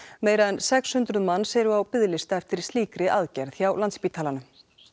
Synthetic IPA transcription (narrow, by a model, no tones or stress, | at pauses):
meːjɾaðɛnsɛkshʏnt̪ɾʏðmanːsɛɾʏawpɪðlɪst̪aɛft̪ɪɾ̥st̪liːkɾɪʔaðcɛɾðθjawlant̪spiːt̪ʰaːlanʏm